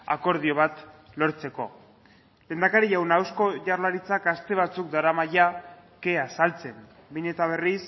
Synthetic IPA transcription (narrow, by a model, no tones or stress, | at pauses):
a̰ko̞ɾð̞io̞β̞at̪ | lo̞ɾt͡se̞ko̞̰ | le̞ːnd̪akaɾiʝawnawsko̞ʝarlaɾit͡sakast̪e̞β̞at͡suk̚d̪aɾamajake̞asalt͡se̞m | biɲe̞t̪aβ̞e̞ris